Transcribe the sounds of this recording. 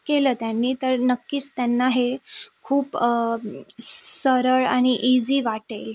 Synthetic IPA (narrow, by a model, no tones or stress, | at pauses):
keləːt̪janːiːt̪əɾnəkːiːt͡st̪janːaɦekʰuːp | səɾəɭa̰ɽ̃iʔid͡ziːʋaʈel